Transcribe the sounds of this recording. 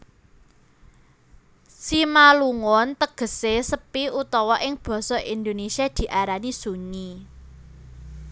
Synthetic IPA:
simaluŋɔnt̪əɡ̥ə̤sesəpiut̪ɔwɔʔɪŋb̥ɔ̤sɔʔind̪onesiad̪̥i̤ʔaɾanisuɲi

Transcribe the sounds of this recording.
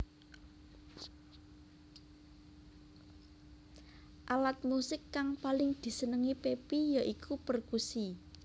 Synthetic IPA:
ʔalat̪̚musɪkːaŋpalɪŋd̪̥i̤sənəŋipepijaʔikʰupərkusi

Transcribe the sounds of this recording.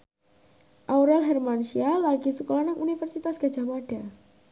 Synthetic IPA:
ʔauɾɛlɦɛrmanʃialaɡisəkolanaŋʔunifərsit̪asɡ̥ḁd͡ʒa̤maɖ̥a

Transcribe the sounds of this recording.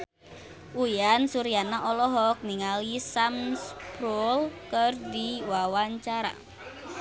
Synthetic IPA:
ʔujansuɾijanaʔɔlɔɦɔk̚niŋalisamspɾɔlkərdiwawaɲt͡ʃaɾa̰

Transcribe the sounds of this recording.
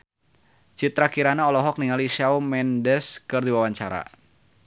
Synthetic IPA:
t͡ʃit̪ɾakiɾanaɔlɔɦɔk̚niŋalisawmɛndɛskɨrdiwawaɲt͡ʃaɾa̰

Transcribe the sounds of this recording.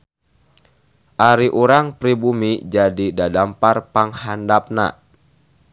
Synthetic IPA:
ʔaɾiʔuɾaŋpɾibumid͡ʒadidadamparpaŋhandap̚na̰

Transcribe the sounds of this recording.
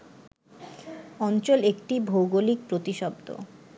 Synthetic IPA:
ɔnt͡ɕolek̚ʈibʱowɡolik̚pɾot̪iʃɔb̚d̪o̰

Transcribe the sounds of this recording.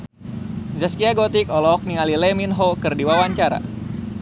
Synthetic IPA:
zəskiaɡot̪ikɔlɔɔk̚nialilɛminɦokɨrdiwawaɲt͡ʃaɾa̰

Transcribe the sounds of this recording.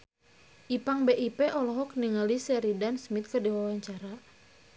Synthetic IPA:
ʔipaŋbeʔipɛʔɔlɔɦɔkniŋalisɛɾidansmit̪̚kərdiwawaɲt͡ʃaɾa

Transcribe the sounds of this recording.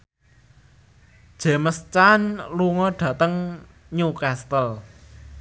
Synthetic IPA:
d̥ʒ̥ɛ̤məst͡ʃanluŋɔɖ̥ä̤t̪əŋ | ɲukast̪əl

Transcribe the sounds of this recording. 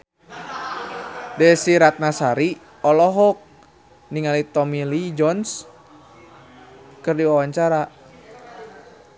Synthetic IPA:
dɛsiɾat̪̚nasaɾi | ɔlɔɦɔk̚ | niŋalit̪ɔmilid͡ʒɔns | kɨrdiwawaɲt͡ʃaɾa

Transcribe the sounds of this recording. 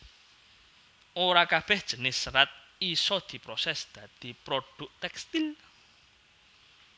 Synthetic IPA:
ʔoɾakab̥ɛ̤hd̥ʒ̥ə̤nɪsːəɾat̪̚isɔd̪̥i̤pɾosɛsd̪̥ä̤d̪̥i̤pɾoɖ̥ʊ̤ʔt̪ɛkst̪il

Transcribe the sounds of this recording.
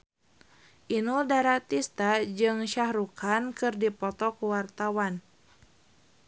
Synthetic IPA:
ʔinuldaɾat̪ist̪ad͡ʒɨŋʃahɾukʰankɨrdipɔt̪ɔkuwart̪awan

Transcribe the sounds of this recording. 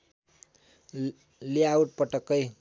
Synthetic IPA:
leauʈ̚pʌʈʌkːʌj

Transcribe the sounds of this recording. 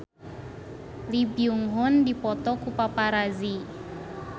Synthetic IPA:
libiuŋɦʊndipɔt̪ɔkupapaɾazi

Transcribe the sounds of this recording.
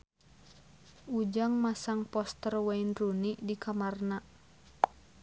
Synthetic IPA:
ʔud͡ʒaŋmasaŋpɔst̪ərwainrunidikamarna

